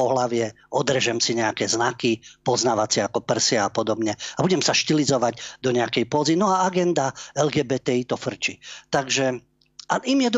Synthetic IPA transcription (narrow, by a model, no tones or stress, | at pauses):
ɔɦlaʋɪɛ | ɔd̪r̩ɛʒɛmsiɲɛakɛznakipɔznaʋat͡sɪakɔpr̩sɪaapɔd̪ɔbɲɛabuɟɛmsaʃcilizɔʋaɟd̪ɔɲɛakɛjpɔːzinɔaaɡɛnd̪aɛlɡɛːbɛt̪ɛit̪ɔfr̩t͡ʃit̪aɡʒɛ | ʔaimjɛd̪